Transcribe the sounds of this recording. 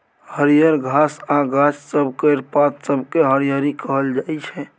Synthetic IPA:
həɾijəɾɡʱasãɡat͡ʃsəbkəɪɾpat̪səbkeɦəɾijəɾikəɦəld͡ʒaɛt͡ʃʰɛ̃

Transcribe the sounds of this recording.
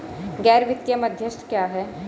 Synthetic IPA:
ɡɛːɾʋɪt̪jəmɐd̪ʱjəʃʈʰkjaːɦɛː

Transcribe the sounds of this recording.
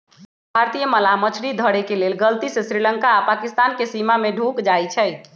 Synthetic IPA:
bʱaɾt̪ijəməlamət͡ʃʰɽid̪ʱəɽekelelɡəlt̪isesɾiləŋkaːpakist̪ankesimameɖʱukd͡ʒajt͡ʃʰə

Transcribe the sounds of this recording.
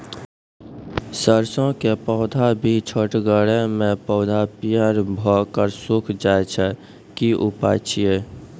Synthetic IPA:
səɾsõkepɔːʊd̪ʱabʱit͡ʃʰəʈɡəɽemẽpɔʊd̪ʱapijəɾbʱɔkəɾsukʰd͡ʒaet͡ʃʰɛ | kiʔupat͡ʃʰije

